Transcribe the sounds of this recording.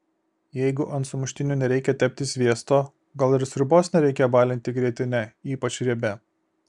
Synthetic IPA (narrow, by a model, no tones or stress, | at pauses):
jɛɪɡʊʔɐnt̪sʊmʊʃʲt̪ʲɪnʲuːnʲɛɾʲɛɪkʲɛt̪ʲɛpʲt̪ʲɪsʲʋʲiɛst̪oː | ɡɐlˠɪɾsʲɾʲʊboːsnʲɛɾʲɛɪkʲeːjobɑːlʲɪnʲt̪ʲɪɡɾʲɛt̪ʲɪnʲɛiːpɐt͡ʃɾʲiɛbʲɛ